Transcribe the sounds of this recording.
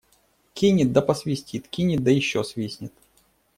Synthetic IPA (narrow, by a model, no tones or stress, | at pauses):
kʲinʲɪt̪̚d̪ɐpɐsvʲɪsʲtʲit̪kʲinʲɪt̪̚d̪əjɪɕːosvʲisʲnʲɪt̪